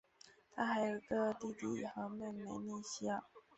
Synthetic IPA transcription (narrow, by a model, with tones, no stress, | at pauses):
t̪ʰa˥xa˧˥ɪjo˨˩ʊ˦ɡə˧t̪i˥˧t̪ḭ˥˩˨xɤ˧˥me˥˩me˧˥ɪni˥˩ɕja˥˩